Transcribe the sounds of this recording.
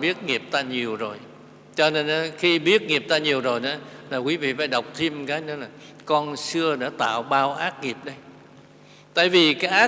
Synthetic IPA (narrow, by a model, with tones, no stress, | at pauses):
ɓi˦˥ət̚ŋi˨˩əp̚t̪aː˧ɲi˨˩əwzo˨˩j | t͡ɕɔ˧ne˧nʔaː˨˦xi˧ɓi˦˥ət̚ŋi˨˩əp̚t̪aː˧ɲi˨˩əwzo˨˩jna˨˦laː˨˩kwi˨˦vḭ˧˨faː˨˦jɗə˨˩wk͡p̚t̪ʰi˧mkaː˨˦jnɨ˨˦laː˨˩ | kɔ˧nsɨ˧əɗa̰ː˧˥t̪a̰ː˧˨wɓaː˧wʔaː˦˥t̚ŋi˨˩əp̚ɗə˧j | t̪a̰ː˧˨jvi˨˩kaː˨˦jʔaː˦˥